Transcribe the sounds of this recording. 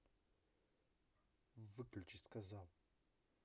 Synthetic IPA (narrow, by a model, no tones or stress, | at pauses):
vɨklt͡ʃʼiskazalˠ